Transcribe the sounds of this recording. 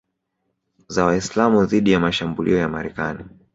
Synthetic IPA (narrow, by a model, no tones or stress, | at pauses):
zawaislamuðiɗijamaʃambulḭɔjamaɾɛkani